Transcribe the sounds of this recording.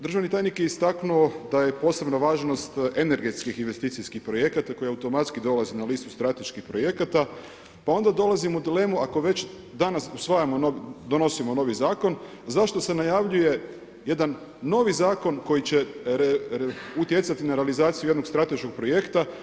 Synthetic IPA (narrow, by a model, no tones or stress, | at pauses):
d̪ɾ̩ʒaʋnit̪ajnikjeist̪aknuod̪ajepo̞se̞bnaʋaːʒno̞st̪ene̞ɾɡe̞t̪skixinʋe̞st̪iːt̪sijskixpɾo̞je̞kat̪ako̞jiaut̪o̞mat̪skid̪o̞lazinaliːst̪ust̪ɾat̪e̞ʃkixpɾo̞je̞kat̪a | pao̞nd̪ad̪o̞lˠazimoud̪ile̞ːmuako̞ʋe̞t͡ɕ | d̪anasusʋajamo̞nod̪o̞no̞simo̞no̞ʋizaːko̞n | zaʃt̪o̞se̞najaʋʎuje̞ | je̞d̪anː | o̞ʋizaːko̞nko̞jit͡ɕe | ut̪je̞t̪sat̪inaɾealizaːt̪sijujed̪no̞kst̪ɾat̪e̞ʃko̞ɡ̚pɾo̞je̞kt̪a